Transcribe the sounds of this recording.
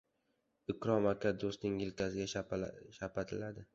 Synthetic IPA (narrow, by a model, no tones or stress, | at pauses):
ɪkɾɒmakʰʲad̪ost̪nɪŋjɪlkʲʰasɪɡʲaʃapat̪ʰɪlad̪ɪ